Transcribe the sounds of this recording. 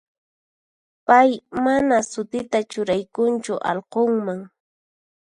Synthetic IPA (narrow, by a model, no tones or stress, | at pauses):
pajmanasʊt̪ɪt̪at͡ʃʊɾajkʊnt͡ʃʊʔɑ̰lqoŋmaŋ